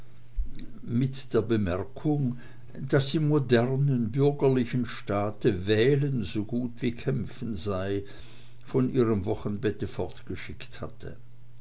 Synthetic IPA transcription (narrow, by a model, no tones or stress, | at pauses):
mɪtd̥eːɐbəmɛɐkʰʊŋ | d̥asd̥iːmodɛʁnənbʏɐɡɐlɪçən̩ʃtaːtəvɛːlənzoɡuːtv̥iːkʰɛmfn̩zaɪ | fɔnʔiːʁəmvɔχənbɛtəfɔɐtɡ̥əʃɪktha̰tʰə̰